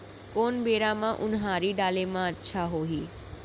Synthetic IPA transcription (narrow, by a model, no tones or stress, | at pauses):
konbeːɾamãʔʊnɦaːɾiɖaːlemãətːʃʰaɦoːɦiː